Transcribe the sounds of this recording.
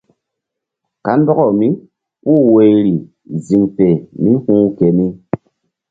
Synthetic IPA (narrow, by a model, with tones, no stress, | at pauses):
ka˨˦n˦dɔ˦kɔ˨mi˦ | pu˦˨we˨jɾi˨ | zi˨ŋpe˨mi˦hũː˦kɛ˨mi˦